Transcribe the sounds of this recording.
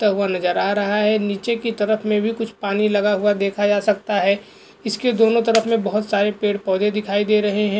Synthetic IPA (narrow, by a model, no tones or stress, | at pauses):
t̪aɦuanɐzəɾaːɾɐɦaɦɛniːt͡ʃekit̪ɐɾəfmẽbʱikʊt͡ʃʰpaːnilɐɡaɦuad̪eːkʰad͡ʒaːsɐk̚t̪aɦɛː | ɪsked̪oːnõt̪ɐɾəfmẽbɐɦʊt̪saːɾepeːɽpɔːd̪ed̪ɪkʰaːid̪eːɾɐɦeɦɛ̃ː